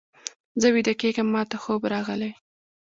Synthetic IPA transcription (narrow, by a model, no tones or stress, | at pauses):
zəwid̪akeɡəmːɑt̪axobɾɑɣəle